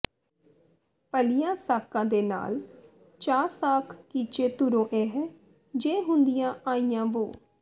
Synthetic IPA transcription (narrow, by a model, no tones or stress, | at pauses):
pəlɪjãːsaːkãːd̪eːna̰ːl | t͡ʃaːɾsaːkʰkiːt͡ʃeːt̪ʊɾõːʔɛːɦɛː | d͡ʒeːɦʊ̃nd̪ɪjãːaːijãːʋoː